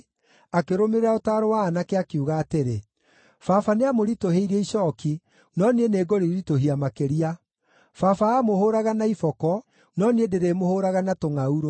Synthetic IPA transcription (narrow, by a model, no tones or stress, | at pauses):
akeɾomeɾeaotaːɾowaːnakeakiuɣaːteɾe | fafaneamoɾitoɦeiɾeiɕɔki | nɔnieneːɡɔɾiɾitoɦiamakeɾia | fafaːmohoːɾaɣanaifɔkɔ | nɔniedeɾemohoːɾaɣanatoŋauɾo